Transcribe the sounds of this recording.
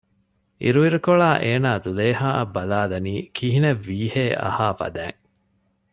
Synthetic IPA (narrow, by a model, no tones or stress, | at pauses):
ʔḭɾuʋiɾukoɭaːʔeːnaːzuleːhaːʔɐbːɐlaːlɐniːkʰiɦineʋːiːheːʔɐ̰haːfɐ̰d̪æːŋ